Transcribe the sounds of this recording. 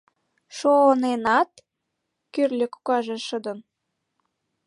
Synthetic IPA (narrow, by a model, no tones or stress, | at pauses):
ʃonenɑt̪ | kyrlʲĕkukɑʒeʃə̆d̪ə̆n